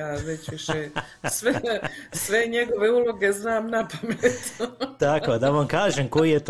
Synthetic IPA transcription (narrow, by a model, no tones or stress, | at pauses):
aːʋet͡ɕuʃe | sʋesʋeɲeɡo̞ʋe̞ulˠo̞ɡe̞znaːmnapamet̪t̪akod̪aʋamkaːʒemkoijet̪